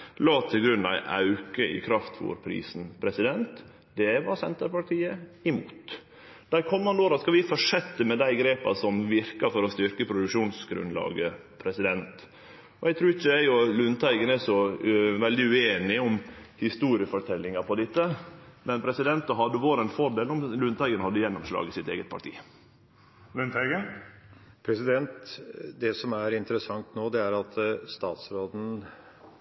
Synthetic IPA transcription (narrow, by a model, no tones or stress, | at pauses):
lɑːt̪ʰɪlɡɾʉnːɑ̰ɪʔɑ̰ʉkəʔɪ̰kʰɾɑft̪ʰʋṵɾpʰɾḭːsn̩pʰɾɛsɪd̪ɛnt̪ | d̪ɛʋɑɾsɛnt̪əɾpɑʈʰiːəɪmuːt̪ | d̪̥æɾkʰɔmːɑnd̪oːɾɑskɑʋɪfɔʂɛt̪ːəmɛd̪æɪɡɾeːpɑ̰sɔmʋɪɾkɑfɔɾɔst̪ʏɾkəpʰɾʊd̪ʉkʂuːnsɡɾʉ̰nlɑ̰ːɡə | pʰɾɛsɪd̪ɛnt̪ | ɔɛɡt̪ʰɾʉːɪçːəæɪʊlʉnt̪ʰæɪɡənɛʂɔʋɛld̪ɪʉeːnɪʊmhɪst̪uːɾɪəfɔʈʰɛlːɪŋɑpʰɔd̪ɪt̪ːəmɛnpʰɾɛsɪd̪ɛnt̪ɑɦɑd̪ːəʋoːɾɛnfɔɖeːlɔmlʉnt̪ʰæɪɡənhɑd̪ːəjɛnːɔmʂlɑ̰ːɡɪsɪt̪ḛːɡət̪̚pʰɑʈʰḭː | lʉnt̪ʰæɪɡə | pʰɾɛsɪd̪ɛnt̪d̪ɛsɔmæɾɪnt̪əɾəsɑŋt̪noːd̪ɛæɾɑt̪st̪ɑːt̪sɾoːd̪n̩